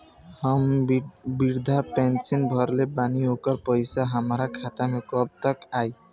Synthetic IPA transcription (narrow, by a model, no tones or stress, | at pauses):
hʌmbiɾd̪ʱapɛnsinbʱʌɾlebaniokɔɾpɔjsaɦamɾakʰat̪amekɔb̚t̪ɔkaj